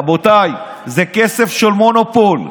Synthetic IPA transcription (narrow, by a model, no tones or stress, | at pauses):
bot̪aj | zekese̞fʃelmonopol